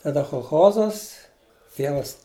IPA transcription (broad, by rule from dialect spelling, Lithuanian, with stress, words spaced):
tɐˈdɐ xoːlˠˈxoːzɐs ˈtʲiɛʋɐs